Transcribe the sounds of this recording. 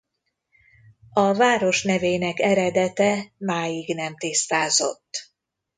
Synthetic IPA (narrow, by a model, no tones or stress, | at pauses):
ɒvaːɾo̞ʃnɛveːnɛkɛɾɛd̪ɛt̪ɛmaːjiɡnɛmt̪ist̪aːzo̞̰t̪ː